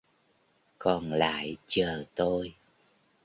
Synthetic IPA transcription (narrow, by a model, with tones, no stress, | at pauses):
kɔ˨˩nla̰ː˧˨jt͡ɕəː˨˩t̪o˧j